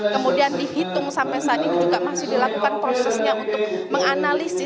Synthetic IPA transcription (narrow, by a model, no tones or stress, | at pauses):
kəmudiandihit̪ʊŋsampɛsaat̪inid͡ʒuɡamasɪhdilakukanpɾosɛsɲaunt̪ʊk̚məŋanalisɪ